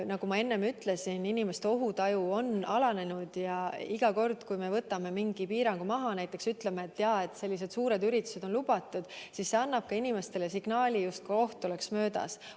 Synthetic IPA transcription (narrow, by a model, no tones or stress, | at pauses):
nɑɡ̥umɑe̞nːe̞myt̪ˑle̞sininime̞st̪eo̞ɦut̪ɑjuo̞nɑlɑne̞nud̪̥jɑiɡ̥ɑko̞rd̪̥kujme̞vɤt̪ːˑɑme̞miŋɡipiːɾɑŋɡ̥umɑɦɑnæjt̪ːˑe̞ksyt̪lemeet̪ːjɑe̞t̪ːˑse̞lʲːis̬e̞d̪̥suːɾe̞d̪yɾit̪ːˑu̥se̞d̪o̞nlub̥ɑt̪ˑːud̪̥sisːe̞ɑnːɑb̥̚kɑinime̞st̪e̞le̞siɡ̥nɑːlʲijust̪̚kuo̞ht̪ːˑo̞le̞ksmø̞ːd̪ɑ̰s